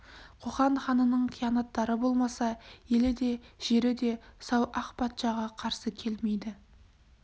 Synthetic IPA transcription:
qʰoχɑnχɑnənəɴqʰijɑnɑt̪ːɑɾəbo̞lˠmɑsɑje̞lɪd̪e̞ʒ̥e̞ɾɪd̪e̞sɑwʔɑqpʰɑt̪ʃɑʁɑqʰɑɾsəkʲʰe̞lme̞jd̪ɪ

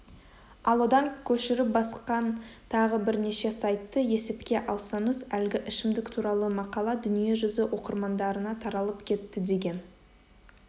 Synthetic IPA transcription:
ɑlˠwo̞d̪ɑŋkʲʰɵʃɪɾɪp̚bɑsqɑnt̪ʰɑʁəbɪɾne̞ʃe̞sɑjt̪ːəje̞se̞pkʲe̞ʔɑlˠsɑɴəzælɡʲɪʔɪʃɪmd̪ɪkt̪ʰuɾɑlˠəmɑqɑlˠɑd̪ʏnije̞ʒʏzɪwʔo̞qəɾmɑnd̪ɑɾənɑt̪ʰɑɾɑlˠəpkʲʰe̞t̪ːɪd̪e̞ɡʲe̞n

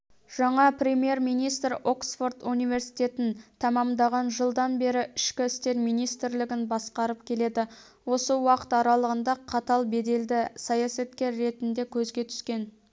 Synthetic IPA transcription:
ʒ̥ɑɴɑpɾʲe̞mje̞ɾmijnijst̪ɾo̞ksfo̞rt̪unijve̞ɾsijt̪e̞t̪ɪnt̪ʰɑmɑmd̪ɑʁɑnʒəlˠd̪ɑnbe̞ɾɪɪʃkʲɪɪst̪e̞ɾmijnijst̪ɪɾlɪɡʲɪnbɑsqɑɾəp̚kʲʰe̞le̞d̪ɪ | wo̞səwɑqə̥t̪ɑɾɑlˠəʁənd̪ɑqʰɑt̪ɑlˠbe̞d̪e̞ld̪ɪsɑjɑsɑt̪kʲe̞ɾːe̞t̪ɪnd̪e̞kʲʰɵzɡʲe̞t̪ʰʏ̥skʲe̞n

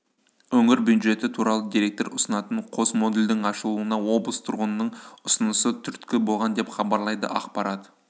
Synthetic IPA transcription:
wɵŋɪɾbjud̪ʒe̞t̪ɪt̪ʰuɾɑlˠəd̪iɾe̞k̚t̪o̞ɾʊsənɑt̪əɴqʰo̞smo̞d̪eld̪ɪŋɑʃəlˠuənɑwo̞blˠəst̪ʰʊɾʁənənəɴʊsənəsət̪ʰʏɾt̪kʲɪbo̞lˠʁɑnd̪e̞pχɑbɑɾlˠɑjd̪ə̰ʔɑqpɑɾɑt̪

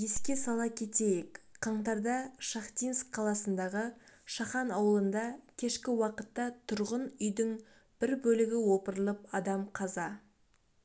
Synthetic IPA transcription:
je̞skʲe̞sɑlˠɑkʲʰe̞t̪e̞jekqʰɑɴt̪ɑɾd̪ɑʃɑχt̪inskqʰːɑlˠɑsənd̪ɑʁəʃɑχɑnɑwəlˠənd̪ɑkʲʰe̞ʃkʲɪwɑqət̪ːɑt̪ʰʊɾʁənʏjd̪ɪŋ | b̥ɪɾbɵlɪɡʲɪwo̞pəɾəlˠəp̚ɑd̪ɑmqʰɑzɑ

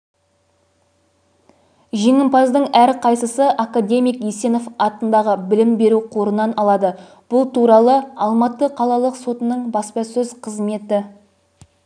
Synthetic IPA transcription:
ʒe̞ŋɪmpɑzd̪əɴæɾqʰɑjsəsəʔakad̪ʲe̞mijkjese̞no̞fɑt̪ənd̪ɑʁəbɪlɪmbe̞ɾuqʰo̞ɾənɑnɑlˠɑd̪ə | b̥ʊlˠt̪ʰuɾɑlˠəɑlˠmɑt̪əqʰɑlˠɑlˠəqso̞t̪ənəɴbɑspɑsɵzqʰəzme̞t̪ɪ

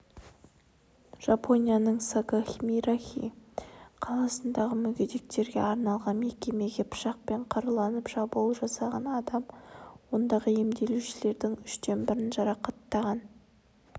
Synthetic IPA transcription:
ʒ̥ɑpʰo̞nʲijanəɴsaɡaxʲmiɾaxʲḭ | qʰɑlˠɑsənd̪ɑʁəmʏɡʲed̪ek̚t̪e̞ɾɡʲe̞̰ɑɾnɑlˠʁɑnme̞kʲe̞me̞ɡʲe̞pʰʊ̥ʃɑq̚pe̞ɴqʰɑɾəlˠɑnəpʒ̥ɑbulˠʒɑsɑʁɑnɑd̪ɑmwo̞nd̪ɑʁəe̞md̪e̞luʃɪle̞ɾd̪ɪŋʏʃt̪e̞nbɪɾɪnʒɑɾɑqɑt̪ːɑʁɑn

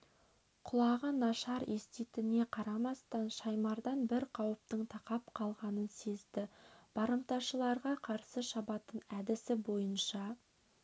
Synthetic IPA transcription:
qʰʊlˠɑʁənɑʃɑɾest̪it̪ɪne̞qʰɑɾɑmɑst̪ɑnʃɑjmɑɾd̪ɑnbɪɾqʰɑwəp̚t̪əɴt̪ʰɑqɑp̚qʰɑlˠʁɑnənse̞zd̪ɪb̥ɑɾəmt̪ɑʃəlˠɑɾʁɑqʰɑɾsəʃɑbɑt̪ənæd̪ɪsɪbo̞jənʃɑ

